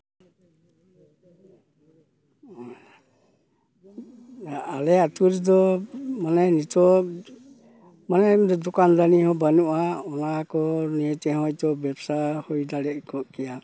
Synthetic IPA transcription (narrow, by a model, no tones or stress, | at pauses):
alɛatuɾidɔmanɛnitɔ | manɛdɔkanɾanihɔbanuʔaɔnakɔniɛtɛhɔjtɔbɛpsahɔjdalɛʔ̚kɔʔkija